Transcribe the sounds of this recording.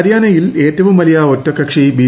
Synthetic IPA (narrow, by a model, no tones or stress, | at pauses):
ɾjaːnɐjile̞ːtːɐʋumʋɐlɐjaːotːɐkːɐkʂibiː